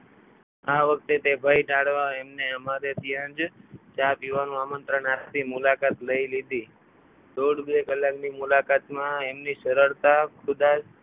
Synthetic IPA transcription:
aʋək̚ʰt̪et̪ebʱəiʈaɽʋaemneəmaɾet̪ʰiə̃nd͡ʒt͡ʃapjuʋanũamənt̪ɾəɳat̪imʊlakat̪ləilid̪i | d̪oɽbekəlːaknimulakat̪mãemniʃəɾəɭt̪akʰud̪ad͡ʒ

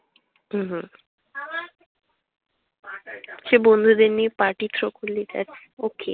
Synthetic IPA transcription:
ɦ̩ɦ | ʃebond̪ʱud̪enipaʈit̪ɾokʰulːit̪ɛ̰t͡ɕʰ | okḛ

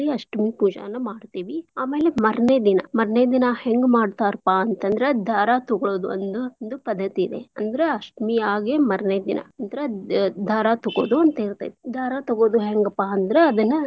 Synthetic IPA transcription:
iɐʂʈmipuːd͡ʒɐ̰ʋɐnːɐmaːɖt̪iːʋiaːme̞ːlemɐɾɐneːd̪inɐ̰mɐɾɐneːd̪inɐheŋɡmaːɖt̪aːɾpːaɐnt̪ɐnd̪ɐɾed̪ʱaːɾat̪uɡɐɭoːd̪uɐ̰nd̪und̪upɐd̪ːɐt̪iːd̪ḛɐnd̪ɐɾeɐsʈmiaːɡemɐɾɐneːd̪inʔɐ̰ɐnd̪ɾed̪ʱaːɾaːt̪uɡoːd̪uɐnt̪ɐiɾt̪a̰jd̪d̪ʱaːɾat̪ɐɡo̞ːd̪uɦeŋɡɐpːaɐnd̪ɐɾeɐd̪ɐnːɐ

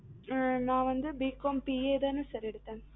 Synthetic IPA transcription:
nãːʋɐnd̪ɯbiːkːoːmpieːðaːnɯ̃sɐɾɛɽɯt̪ːẽːn

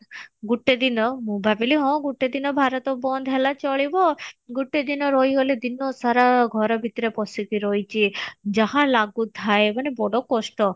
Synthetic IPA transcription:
ɡuʈːed̪inɔmũbʱabiliɦɔ̃ɡuʈːed̪inɔbʱaɾɔt̪ɔbɔnd̪ʱɦelat͡ʃɔɭibɔɡuʈːed̪inɔɾɔɦjɦoled̪inɔsaɾaɡʱɔɾɔbʱit̪ɾepɔsikiɾɔit͡ʃʰid͡ʒaɦãlaɡut̪ʰaebanebɔɽɔkɔsʈɔ

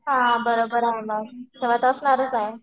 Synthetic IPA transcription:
ɦãbəɾobəɾaɦeməɡt̪eʋ̤at̪əsnaɾət͡saɦe

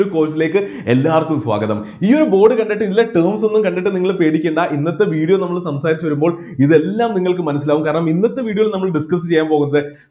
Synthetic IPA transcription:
ɾuko̞ːsile̞ːkːɨ | elːaːrkːumswa̰ːɡɐðɐ̰miːoɾubo̞ːɖɨkɐɳɖiʈːɨiðileʈɨːrmso̞nːumkɐɳɖiʈ̬ːɨniŋːɐɭpe̞ːɽikʲːeːɳɖaʔinːɐt̪ːe̞ʋiːɽijonɐmːɐɭsɐmsaːɾit͡ɕːuʋɐɾumboːɭ | iðe̞lːaːmniŋːɐɭkɨmɐnɐsːilaːʋumkaːɾɐɳɐminːɐt̪ːe̞ʋiːɽioilnɐmːɐɭɖiskɐs̬ɨt͡ɕe̞jːaːmpo̞ːɣunːɐðɨ

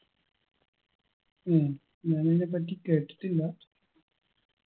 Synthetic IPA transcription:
eː | ɲaːnenep̬ːɐʈːike̞ːʈːi̥t̪ːilːɐ

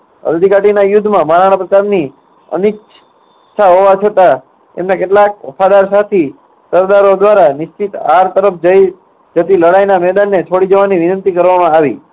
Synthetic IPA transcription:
ə̰ld̪ʱikaʈinajʊd̪ʱːmãmaɾaɽ̃əpɾəkaɾni | ə̰nɪkt͡ʃ | t͡ʃʰaɦoʋat͡ʃʰət̪a | ḛmnakeʈlak̚ʋəfad̪aɾsat̪ʰi | səɾd̪aɾod̪ʋaɾanɪʃt͡ʃit̪aɾt̪əɾəpʰd͡ʒəi | d͡ʒət̪iləɽajnamɛd̪anːet͡ʃʰoɽid͡ʒəʋaniʋɪnə̃nt̪ikəɾʋamãaʋḭ

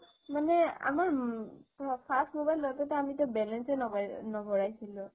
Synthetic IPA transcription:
manɛa̰maɹ | pʰastmobajlɔt̪ɔt̪ɔamit̪ɔbɛlɛnsenɔnɔbʱɔɹajsʰilũ

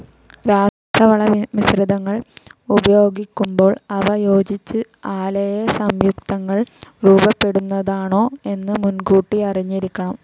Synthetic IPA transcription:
ɾaːʂʈrɐʋɐɭɐʋisrid̪ɐŋːɐɭubɐjo̞ːɡikʲːumbo̞ːɭɐʋɐjo̞ːd͡ʑit͡ɕːɨ | aːlɐjɐsɐmjuk̚t̪ɐŋːɐɭruːbɐpːe̞ɽunːɐðaːɳo̞ːe̞nːɨmunɡuːʈːiɐriɲːiɾikʲːɐɳɐm

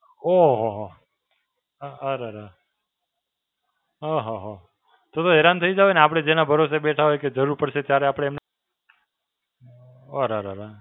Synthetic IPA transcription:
oɦoɦo | ɦaɾaɾa | ɦaɦaɦo | t̪ot̪oeɾant̪ʰəid͡ʒaʋeneap̬ɽ̃ed͡ʒenabʱəɾoseɓeʈʰaɦojked͡ʒəɾuɾpəɾʃet̪jaɾeapɽeːmn | oɾaɾaɾa

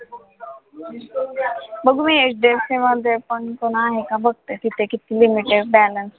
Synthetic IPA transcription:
bəɡʱumiet͡ʃɖesiməd̪ʱepəɳkoɽ̃aaɦekabəɡ̚t̪et̪it̪ʰekit̪ʰilimiʈeɖ̚bæləns

